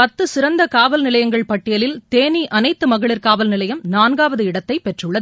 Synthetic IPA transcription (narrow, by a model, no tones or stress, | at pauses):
pɐt̪ːɯsɪɾɐnd̪ɐkaːʋɐlnɪlɐjɐŋɡɐɭpɐʈːɪjɐlɪlt̪eːniʔɐnɐɪt̪ːɯmɐɣɐɭɪrkaːʋɐlnɪlɐjɐmnaːnɡaːʋɐðɯɪɽɐt̪ːɐɪpɛʈrɯɭːɐð